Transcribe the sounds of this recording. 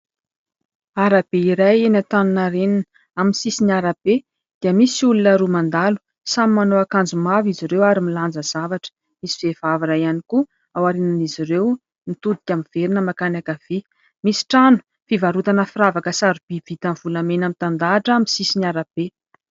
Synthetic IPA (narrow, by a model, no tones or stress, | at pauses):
aɾab̥eiɾajenat̪anunaɾeninə | aminsisinaɾab̥e | d̪̥iəmisulunəɾumand̪alu̥ | samimanoakand͡zumaviziɾewaɾimiland͡zəz̥avaʈ͡ʂə̥ | misi̥v̥efavaɾajaniku | awaɾenaniziɾew | nit̪ud̪i̥kʲamiv̥eɾinəmakanakav̥i | misi̥ʈ͡ʂanu̥ | fivaɾut̪anəfiɾavakəsaɾub̥iv̥it̪anvulamenamit̪and̪aʈ͡ʂaminsisinaɾab̥e